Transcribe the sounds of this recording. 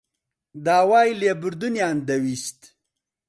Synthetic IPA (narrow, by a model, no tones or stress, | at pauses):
d̪aːwaːjlebuɾd̪unjaːnd̪ɐwist̪